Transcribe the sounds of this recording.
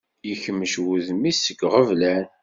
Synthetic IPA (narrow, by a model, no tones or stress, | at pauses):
jəçəmːəʃwuðmisəɡʁəvlæn